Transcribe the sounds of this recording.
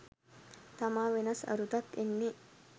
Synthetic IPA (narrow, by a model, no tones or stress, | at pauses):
t̪ɐmaːʋenɐsɐ̰ɾut̪ɐkːenːi